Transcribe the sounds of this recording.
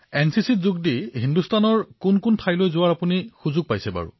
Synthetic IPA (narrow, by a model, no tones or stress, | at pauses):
ɛnsisitzuɡ̚diɦindustʰanɔɹkunkuntʰajlojzʊwaɹapunixuzʊɡ̚pajsɛba̰ɹṵ